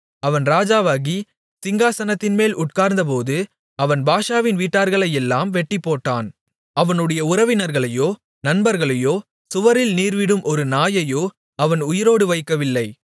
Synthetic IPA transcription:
ɐʋɐnɾaːd͡ʒaːʋaːɣi | sɪŋɡaːsɐnɐt̪ːɪnmeːlʊʈ̚kaːɾnd̪ɐp̬oːðɯ | ɐʋɐnbaːʂaːʋɪnʋiːʈːaːɾɣɐɭɐjɛlːaːmʋɛʈːɪpːoːʈːa̰ːn | ɐʋɐnɯɽɐjɐʊɾɐʋɪnɐɾɣɐɭɐjoː | nɐnbɐɾɣɐɭɐjoː | sʊʋɐɾɪlniːɾʋɪɽɯmʔɔɾɯnaːjɐjoː | ɐʋɐnʊjɪɾoːɽɯʋɐɪkːɐʋɪlːɐɪ

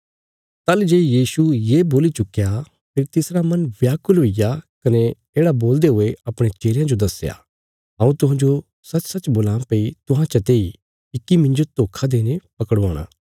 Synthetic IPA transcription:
t̪aːld͡ʒeːjiːsujeːboːlit͡ʃʊkːja | pʰɪɾt̪ɪsɾamɐnbjaːkʊlɦoːijakɐne | eːɽaboːld̪eɦʊeɐpɽ̃et͡ʃeːljãd͡ʒod̪ɐsja̰ | ɦɐ̃ːũt̪ʊɦãːd͡ʒo | sɐt͡ʃsɐt͡ʃboːlãːmpeit̪ʊɦãt͡ʃɐt̪eːi | ɪkːimɪ̃ɲd͡ʒot̪oːkʰad̪eːnepɐkəɽa̰ːɽ̃a̰ː

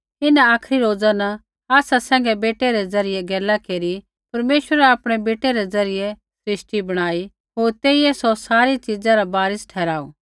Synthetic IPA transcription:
ɪnãaːkʰɾiɾoːd͡zana | aːsasɛ̃ːŋ̆ɡɛbeːʈeɾɛd͡zɐɾɪjɛɡɛːlakeːɾi | pɐɾmeːʃwəɾɛaːpɽ̃ɛbeːʈeɾɛd͡zɐɾɪjɛ | sɾɪʃʈibɐɽ̃aːi | ɦoːɾt̪eːiɛsɔsaːɾit͡ʃid͡zãɾabaːɾɪsʈʰɛːɾaːṵ

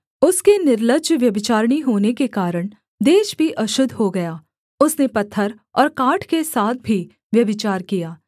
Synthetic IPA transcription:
ʊskenɪɾləɡd͡ʒʋjɐbɪt͡ʃaːɾɽ̃iɦoːnekekaːɾəɽ̃ | d̪eːʃbʱiʔɐʃʊd̪ʱɦoɡɐjaː | ʊsnepɐt̪ʰːəɾ | ɔːɾkaːʈʰkesaːt̪̚ʰbʱi | ʋjɐbɪt͡ʃaːɾkijaː

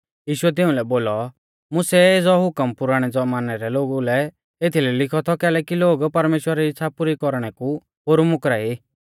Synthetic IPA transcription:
jiːʃʊɛt̪̬ɪʊ̃lɛboːlɔ | mʊsɛeːd͡zɔɦʊkəmpʊɾaːɽ̃ɛd͡zɔmaːnɛɾɛloːɡulɛ | et̪ʰilɛlɪkʰɔt̪ʰɔkɛːlɛːkiloːɡpɐɾmeːʃwəɾɪsʰapʊɾikɔɾɽ̃ɛku | ɦoːɾumʊkɾai

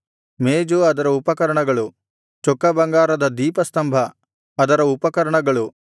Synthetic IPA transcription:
meːd͡ʒuɐd̪ɐɾɐupɐkɐɾɐɳɐɡɐɭu | t͡ʃokːɐbɐŋɡaːɾɐd̪ɐd̪iːpɐst̪ɐmbʱɐ | ɐd̪ɐɾɐupɐkɐɾɐɳɐɡɐɭu

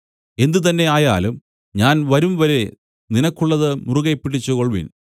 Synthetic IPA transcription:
e̞nd̪ut̪̬ɐnːe̞aːja̰ːlum | ɲaːnʋɐɾumʋɐɾe̞ | ninɐkːuɭːɐðɨmuruɣɐjpːiʈːit͡ɕːukoɭʋḭn

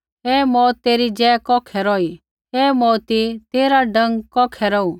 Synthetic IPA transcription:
ɛːmɔːt̪ːeːɾid͡ʒɛːkɔːkʰɛɾɔːi | ɛːmɔːt̪it̪eːɾaɖɐ̃ŋɡkɔːkʰɛɾɔu

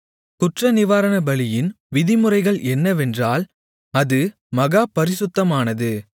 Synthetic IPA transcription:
kʊʈrɐnɪʋaːɾɐnɐbɐɭɪjɪn | ʋɪðɪmɯrɐɪɣɐɭʔɛnːɐʋɛndraːl | ɐðɯ | mɐɣaːpɐɾɪsʊt̪ːɐmaːnɐðɯ

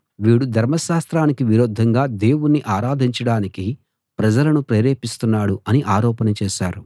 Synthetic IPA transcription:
ʋiːɽud̪ʱɐɾmɐʃaːst̪ɾaːnikiʋiɾoːd̪ʱɐŋɡaːd̪e̞ːwunːiʔaːɾaːd̪ʱiɲt͡ʃɐɽaːniki | pɾɐd͡ʒɐlɐnupɾeːɾeːpist̪unːaːɽuʔɐniʔaːɾɔːpɐnɐt͡ʃɛːʃaːɾu

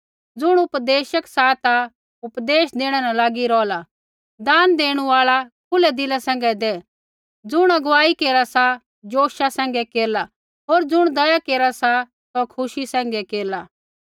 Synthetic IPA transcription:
d͡zʊɽ̃ʊpd̪eːʃəksat̪a | ʊpd̪eːʃd̪eːɽ̃ɛnalaːɡiɾɔːla | d̪aːnd̪eːɽ̃uaːɭakʰʊlɛd̪ɪlasɛ̃ːŋ̆ɡɛd̪ɛ | d͡zʊɽ̃ɐɡʋaːikeːɾasa | d͡ʒoːʃasɛ̃ːŋ̆ɡɛkeːɾla | ɦoːɾd͡zʊɽ̃d̪ɐjakeːɾasa | sɔkʰʊʃisɛ̃ːŋ̆ɡɛkeːɾla

